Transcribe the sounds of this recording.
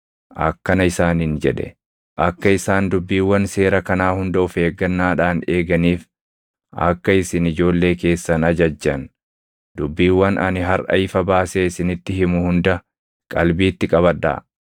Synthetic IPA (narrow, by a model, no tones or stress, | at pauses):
ʔɐ̰kːɐnɐɪsaːnɪnd͡ʒɛ̰ᶑɛ̰ | ʔɐkːɐɪsaːnd̪ʊbːiːwːɐnse̞ːɾɐkɐnaːhʊnd̪ɐʊfe̞ːɡːɐnːaːᶑaːne̞ːɡɐniːf | ʔɐ̰kːɐɪsɪnɪd͡ʒo̞ːlːe̞ːke̞ːsːɐnɐd͡ʒɐd͡ʒːɐn | d̪ʊbːiːwːɐnɐ̰nɪɦɐɾʔɐ̰ɪfɐbaːseɪsɪnɪt̪ːɪhɪmʊhʊnd̪ɐ | kʼɐlbiːt̪ːɪkʼɐβɐᶑa̰ː